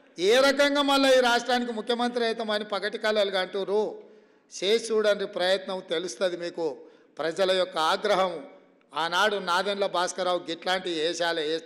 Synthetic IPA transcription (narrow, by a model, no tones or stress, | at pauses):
eːɾɐkɐŋɡaːmɐlːɐiːɾaːʂʈɾaːnik̬imukʰjɐmɐnt̪ɾiɐjt̪ɐmɐnipɐkɐʈikɐlɐlɐɡɐɳʈuɾu | t͡ʃeːt͡ʃuːɽɐnɾipɾɐjɐt̪nɐmt̪e̞lust̪ɐd̪imiːku | pɾɐd͡ʒɐlɐjɔkːɐaːɡɾɐɦɐm | aːnaːɽunaːd̪ɐnlɐbaːskɐɾaːwuɡiʈlaːɳʈiɛːʃaːlɐeː